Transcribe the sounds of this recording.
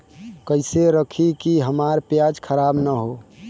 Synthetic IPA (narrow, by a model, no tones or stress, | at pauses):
kəɪseɾəkʰikiɦəmaɾpjad͡ʒkʰəɾaːbnəɦoː